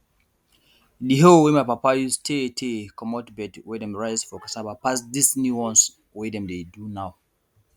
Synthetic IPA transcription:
diɦowɛmajpapajustʰetʰekʰɔmɔtbɛtwɛdɛ̃mɹaɪzfɔkasabapasdisnuwɔ̃ns | wɛdɛ̃mdedunaw

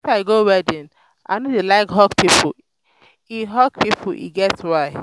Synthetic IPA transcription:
faɪɡowɛdɪ̃n | a̰ɪnodelaɪkɦɔkpipʰʊ | iɦɔk̚pipʰʊḭɡɛtwaɪ

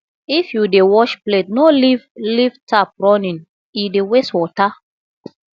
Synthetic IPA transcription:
ifjudewɔʃpletnolivlivtap̚ɹɔnĩn | ideweswɔta

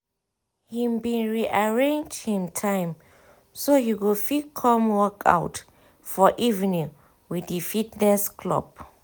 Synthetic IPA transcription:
hĩmbĩnɹiʔaɹẽnd͡ʒhĩmtʰãɪ̃m | soɦiwifikʰɔ̃mwɔkʰa̰ʊt | fɔʔivnĩŋ | widifitnɛskʰlɔ̰b̚

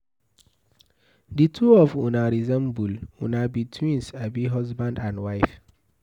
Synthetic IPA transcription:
ditʰuɔfũnaɹizɛ̃mbulṵ̃nabitʰwĩnsabiɦɔzbãndãndwaɪf

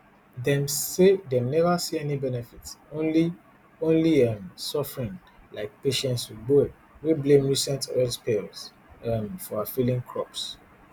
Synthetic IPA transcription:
dɛ̃msedemnɛvəsiɛnibɛnɛfitsonli | õnliʌmsɔfəɹĩŋ | laɪk̚peʃɛ̃ntswidbo | weblẽmɹisɛ̃ntɛdpʰels | ʌmfɔafilĩŋkʰɹɔps

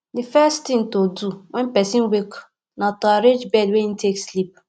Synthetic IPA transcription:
difɛstĩŋtoduwʔɛ̃npɛsĩnwek | natɔaɾed͡ʒbɛdweĩn̩tʰekslip̚

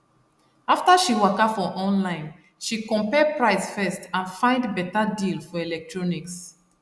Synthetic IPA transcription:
aftaʃiwakafɔʔɔ̃nlãɪ̃n | ʃikɔ̃mpɛpɹaɪsfɛstãnfãɪ̃ndbɛtadilfɔɛlɛk̚tʰɹɔniks

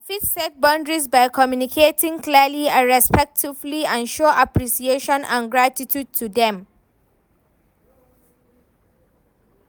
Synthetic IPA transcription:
fitsɛt̚bɔ̃ndɹisbaɪkʰɔmjunikʰetĩŋkliəliãɹɛspɛk̚tʰivliãnʃoʔapɹisieʃɔ̃nã̰nɡɹatitʰjud̚tʰudɛ̃m

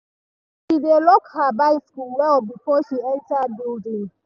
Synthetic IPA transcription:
ʃidelɔkhabaɪskulwɛlbifɔʃiɛntadodi

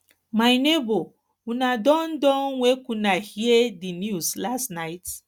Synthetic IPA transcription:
maɪnebo | unadɔ̃n̩dɔ̃nwekũnahiedinjuslastnaɪt

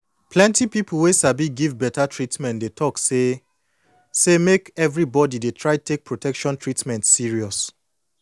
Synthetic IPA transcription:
plɛ̃ntipipʰul̩ˠwesabiɡivbɛtatɹitmɛ̃ntdetʰɔkse | semekɛvɹibɔdidetʰɹaɪttʰek̚pʰɹotʰɛkʃɔ̃ntɹitmɛ̃ntsiɹiɔs

